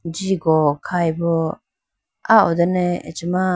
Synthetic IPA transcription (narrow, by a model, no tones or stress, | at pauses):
d͡ʒiɡɔkʰajbɔ | aɔd̪ɛnɛḛt͡ʃima